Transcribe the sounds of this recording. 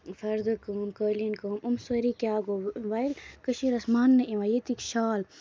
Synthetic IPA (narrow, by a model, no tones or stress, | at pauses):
fɐɾd̪ɨkəːmkəːlinkəːmumsɐɾikjaːɡoʋɐilkəʃiɾɐsmaːnːɐʔĩʋɐjet̪ikʃaːl